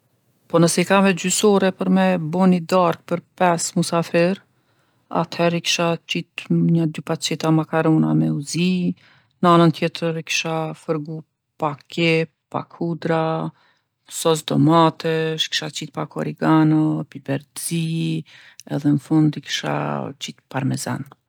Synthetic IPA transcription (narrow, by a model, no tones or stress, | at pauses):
pɔnəsɛikavɛd͡ʑysɔɾɛpəɾmɛbɔnid̪aɾk̚pəɾpɛsmusafɛɾ | a̰t̪hɛɾikʃat͡ɕit̪ɲad̪ypat͡ʃɛt̪amakaɾɔna̰mɛuzi | nanənt̪jɛt̪ʰəɾikʃafəɾɡu | pakʰɛ | pa̰kʰud̪ɾa | sɔsd̪ɔmat̪ɛʃkʃat͡ʃit̪̚pakʰɔɾiɡanɔpibɛɾd̪zi | ɛ̰ðɛnəfund̪ikʃa̰t͡ɕit̪paɾmɛza̰n